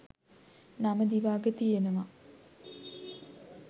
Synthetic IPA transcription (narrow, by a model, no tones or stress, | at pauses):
naməd̪iʋaːɡət̪ijenəʋa